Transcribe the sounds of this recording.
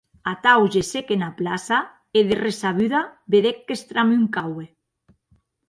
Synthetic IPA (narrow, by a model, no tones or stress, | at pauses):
at̪awʒesekenaplasa | eðeresaβyðabeðekːest̪ɾamuŋkawe